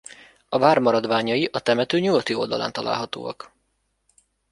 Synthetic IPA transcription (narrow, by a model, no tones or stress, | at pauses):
ɒvaːrmɒɾɒd̪ʋaːɲɒjiʔɒt̪ɛmɛt̪øːɲuɡɒt̪io̞ld̪ɒla̰ːnt̪ɒla̰ːlɦɒt̪o̰ːɒk